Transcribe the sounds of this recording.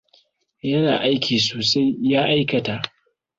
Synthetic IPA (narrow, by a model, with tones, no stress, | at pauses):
jɐ˦na̰ː˨ʔa˦jkʲiː˨soː˨sa˦jːaː˦ʔa˦jkɐ˨ta˨ʔ